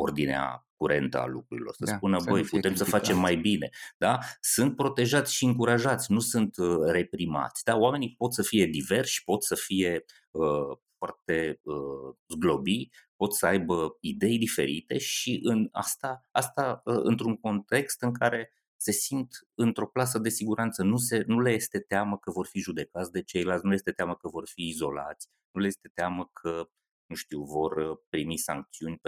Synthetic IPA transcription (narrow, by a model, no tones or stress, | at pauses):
o̞̰rd̪inea̰kuɾʔe̞nt̪ə̰a̰lukɾuɾḭlo̞̰rsəspunəbəjput̪emsəfat͡ʃe̞mːajbine̞d̪̥asɨnt̪̚pɾo̞t̪e̞ʒat̪sʲʃiɨŋkuɾaʒat̪sʲnusɨnt̪əre̞pɾima̰t̪sʲd̪aoame̞nipo̞t̪səfije̞d̪ive̞rʃʃi̥po̞t̪səfije̞ | əfwart̪e̞əzɡlo̞bipo̞t̪səajbəid̪e̞jd̪ife̞̰ɾit̪e̞ʃiʔɨna̰st̪aast̪aəɨ̰nt̪ɾuŋko̞nt̪e̞kst̪ɨŋkaɾe̞ | se̞sint̪ɨnt̪ɾo̞plas̬əd̪e̞siɡuɾant̪sənuse̞nuleje̞st̪e̞t̪eaməkəvo̞rfiʒud̪e̞kat̪sʲd̪e̞t͡ʃe̞jlalt̪ʲnulejest̪e̞t̪eaməkəvo̞rfiːzo̞la̰t̪sʲ | nule̞je̞st̪e̞t̪eaməkʰə | nuʃt̪iwvo̞rpɾimisa̰ŋk̚t̪siunʲ